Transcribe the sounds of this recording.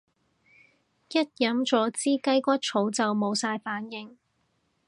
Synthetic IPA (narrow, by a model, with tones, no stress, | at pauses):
jɐ˥t̚jɐ˨˥mt͡ʃɔː˨˥t͡siː˥kɐ˥jkʷɐ˥t̚t͡ʃʰo˨˥wt͡sɐ˨wmo˨˧wsaː˧jfaː˨˥njɪ˨ŋ